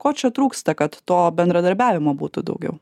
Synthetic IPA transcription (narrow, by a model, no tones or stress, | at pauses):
koːt͡ʃʲɛt̪ɾuːkst̪ɐkɐt̪ːoːbʲɛnd̪ɾɐd̪ɐɾʲbʲæːʋʲɪmoːbuːt̪ʊd̪ɐ̰ʊɡʲɛ̰ʊ